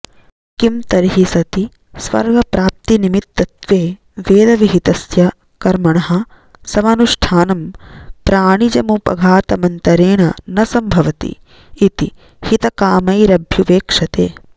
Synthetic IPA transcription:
kimt̪ɐɾiɦisɐt̪i | sʋɐ̰ɾʋɐpɾaːp̚t̪inimit̪ːɐt̪ʋeː | ʋeːd̪ɐʋiɦit̪ɐsjɐ | kɐɾmɐɳɐɦɐ̆ | sɐʋaːnuʂʈʰaːnɐmpɾaːɳid͡ʒɐmupɐ̰ɡʱaːt̪ɐmɐnt̪ɐɾeːɳɐnɐsɐmbʱɐʋɐt̪ḭː | t̪i | hit̪ɐkaːmɐjɾɐbʱjuʋeːkʂɐt̪ḛː

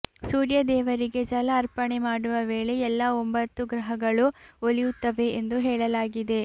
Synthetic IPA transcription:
suːɾjɐd̪ɛːʋɐɾiɡe̞d͡ʒɐlɐːɾpɐɳe̞maːɽuʋɐʋeːɭe̞ɛlːɐombɐt̪ːuɡɾɐɦɐɡɐɭuolijut̪ːɐʋe̞ːnd̪uɦɛːɭɐlaːɡid̪e̞

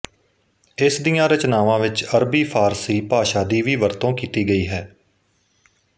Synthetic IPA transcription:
ɪsd̪ijãːɾət͡ʃnaːʋãːʋɪt͡ʃəɾbiːpʰaːɾsiːpaːʃaːd̪iːʋiːʋəɾt̪õːkiːt̪iːɡəiːɦɛː

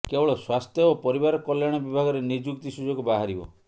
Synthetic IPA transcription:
kebɔɭɔswast̪ʰjɔːpɔɾibaɾɔkɔljaɽ̃ɔbibʱaɡɔɾenid͡ʒukt̪isud͡ʒɔɡubaɦaɾibɔ̰

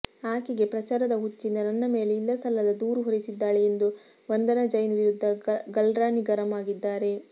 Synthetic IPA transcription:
aːkiɡe̞pɾɐt͡ʃaːɾɐd̪ɐɦut͡ʃːind̪ɐnɐnːɐme̞ːle̞ilːɐsɐlːɐd̪ɐd̪uːɾuɦoɾisid̪ːaːɭeend̪u | ʋɐnd̪ɐnɐd͡ʒɐjnʋiɾud̪ʱːɐɡɐlɾaːniɡɐɾɐmaːɡid̪ːaːɾe̞

